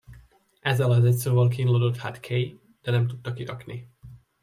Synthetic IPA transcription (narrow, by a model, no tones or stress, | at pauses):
ʔɛzːɛlɒzɛtsoːvɒlk̬inloːd̪ot̪ha̰t̪kʰej | d̪̥ɛnɛmt̪ut̪ːɒkiɾɒkni